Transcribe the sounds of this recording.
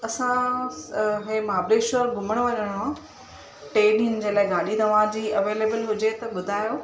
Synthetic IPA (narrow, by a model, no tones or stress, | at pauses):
ɐsã | ɦẽːmaːbɾeːʃoɾɡʱʊməɽ̃ʋɐʄəɽ̃ã | ʈeːɗiːnd͡ʑeːlaːɪɡaːɗĩnd̪ɐʋãd͡ʑiːɐʋeːleːbəlɦʊd͡ʑet̪ɐɓʊd̪ʱaːjoː